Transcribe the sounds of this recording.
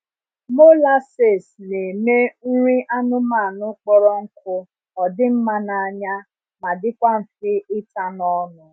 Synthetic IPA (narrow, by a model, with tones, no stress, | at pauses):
mo˦la˦se˨sne˨me˦n̩˦ɾi˦ʔa˦nʊ˦ma˦˨nʊ˦k͡pɔ˦ɾɔ˦ŋ̩˦kʊ˦ | ɔ˨dɪ˦m̩˦ma˦na˨a˨ɲa˦ | ma˨dɪ˦kʷa˦m̩˨fɪ˦ɪ˦ta˦nɔ˦nʊ˨